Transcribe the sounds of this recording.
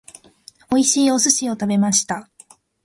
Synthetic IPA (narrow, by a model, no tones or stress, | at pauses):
o̞iɕiːo̞sɨɕio̞t̪abe̞maɕi̥t̪a